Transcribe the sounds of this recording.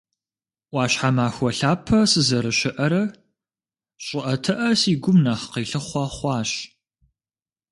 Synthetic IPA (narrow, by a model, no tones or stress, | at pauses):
wɑːɕħamaːxʷɔɬaːpʰːɐsɨzɐɾɨɕɪʔɐɾɐ | ɕʼɪʔɐtʰɨʔɐsiːɡʷʊmnaːχqiːɬɨχʷɑχʷɑːɕ